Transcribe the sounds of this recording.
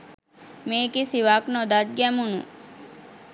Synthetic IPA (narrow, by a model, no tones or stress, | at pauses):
meːkisiʋaknod̪at̪̚ɡɛmunu